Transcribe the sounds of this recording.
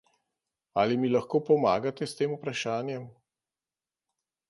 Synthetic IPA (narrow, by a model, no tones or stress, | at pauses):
aːlimilaxkoːpɔmaːɡat̪ɛst̪eːmupɾaʃaːnjɛm